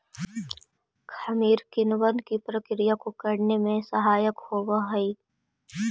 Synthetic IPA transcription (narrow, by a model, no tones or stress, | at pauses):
kʰamiːɾkɪnʋənkipɾəkɾijakokɐɾnemẽsəɦaːjəkhoːwaɦɐi